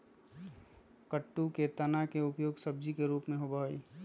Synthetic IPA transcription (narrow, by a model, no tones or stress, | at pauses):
kəʈːuket̪ənakeʊpjoːɡsəb̚d͡ʒikeɾuːpmẽɦobəɦoḭ